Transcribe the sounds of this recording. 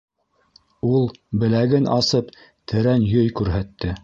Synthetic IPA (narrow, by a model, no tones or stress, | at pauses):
ulˠbɘ̆læɡɘnʔɑsɤp | t̪ʰɘ̆ɾænjɵjkʉɾɦæt̪ːɘ